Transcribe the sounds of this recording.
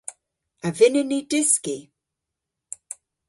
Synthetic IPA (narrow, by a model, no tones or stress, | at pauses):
avɪnɪnidɪski